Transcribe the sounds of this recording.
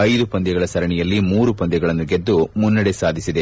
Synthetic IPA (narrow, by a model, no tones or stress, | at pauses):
ɐjd̪upɐnd̪jɛɡɐɭɐsɐɾɐɳɛjɐlːimuːɾupɐnd̪jɛɡɐɭɐnːuɡed̪ːumunːɐɽesaːd̪ʱisid̪e